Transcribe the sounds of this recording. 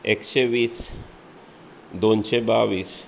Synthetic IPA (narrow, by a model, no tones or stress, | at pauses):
ekʃeʋiːs | d̪onʃebaʋiːs